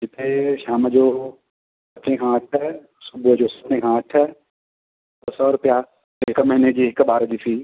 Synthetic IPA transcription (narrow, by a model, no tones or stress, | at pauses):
d͡ʑɪt̪ʰeʃaːməd͡ʑoː | sɐt̪ʰẽkʰãːʈʰ | sʊbʊɦəd͡ʑoːsɐ̥t̪ʰẽkʰãːʈʰə | bɐsɔːɾʊpija | ɦɪkmɐɦɪned͡ʑiːɦɪkɓaːɾəd͡ʑiːsʰiː